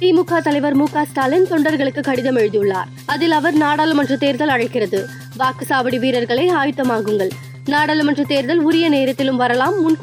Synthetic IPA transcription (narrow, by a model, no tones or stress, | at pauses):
t̪iːmukːaːt̪ɐlɐɪʋɐɾmuːkaːst̪aːlɪnt̪ɔɳɖɐɾɣɐɭɯkːɯkːɐɽɪðɐmɛɻɯðɪjɯɭːa̰ːɾ | ɐðɪlɐʋɐɾnaːɽaːlɯmɐnrɐt̪eːɾðɐlɐɻɐɪkːɪrɐðɯ | ʋaːkɯsaːbɐɽiʋiːɾɐɾɣɐɭɐɪaːjɯt̪ːɐmaːɣɯŋɡɐɭ | naːɽaːlɯmɐnrɐt̪eːɾðɐlʊɾɪjɐneːɾɐt̪ːɪlɯmʋɐɾɐlaːmːʊnk